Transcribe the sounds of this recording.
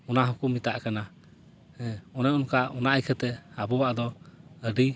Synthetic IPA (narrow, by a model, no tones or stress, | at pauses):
ɔnaɦukumːit̪aʔkana | ɛɔnɛɔnkaɔnaʔajkʰɛt̪ɛabɔwaʔd̪ɔəɖi